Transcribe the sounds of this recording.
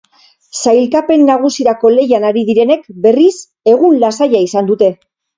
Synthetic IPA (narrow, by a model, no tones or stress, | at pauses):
sajlkape̞nːaɣ̞usiɾako̞le̞janaɾiðiɾe̞ne̞kbe̞ris | e̞ɣunlasaʎaisand̪ut̪e̞